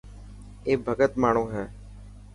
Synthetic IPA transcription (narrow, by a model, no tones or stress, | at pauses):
eːbʱəɡət̪maːɳ̃õːɦɛː